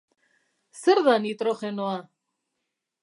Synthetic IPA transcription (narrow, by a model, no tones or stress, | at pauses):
seɾðanit̪ɾoχenoa